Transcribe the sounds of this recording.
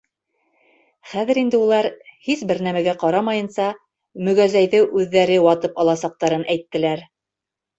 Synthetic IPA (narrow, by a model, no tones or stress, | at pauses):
χæðɘ̆ɾind̪ɘulˠɑɾhisbɘ̆ɾnæmæɡæqɑɾɑmɑjɤ̆nsɑ | mɵ̆ɡæzæjðɘʔʉðːæɾɘwɑt̪ɤpɑlˠɑsɑq̚t̪ɑɾɤnʔæjt̪ːɘ̆læɾ